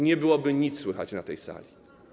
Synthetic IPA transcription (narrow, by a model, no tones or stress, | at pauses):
ɲɛbɘwɔbɘɲit̪sswɘxat͡ɕnat̪ɛjsa̰lʲi